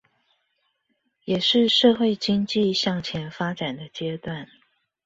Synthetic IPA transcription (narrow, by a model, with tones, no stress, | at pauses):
jɛ˨˩ʂɻ̩˥˧ʂɤ˥˧xwe˥˩ɪt͡ɕi˥ŋt͡ɕi˥˨ɕjɑ˥˩ŋt͡ɕʰjɛ˧˥nfa˥ʈ͡ʂa˨˩nd̪ə˦t͡ɕjɛ˥˦t̪wa˥˩n